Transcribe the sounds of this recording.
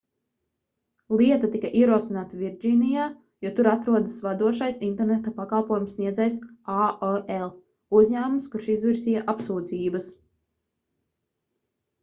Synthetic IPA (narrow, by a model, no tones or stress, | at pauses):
lˠiɛt̪at̪ikaʔiɛɾuɔsinaːt̪avʲiɾd͡ʒiːnijaː | jut̪uɾat̪ɾuɔd̪asvad̪uɔʃajsint̪ɛɾnet̪apakɑlˠpuɔjumsːniɛd̪zɛjsaelˠ | uzɲæːmumskuɾʃizviɾsijaʔapsuːd̪ziːbɐs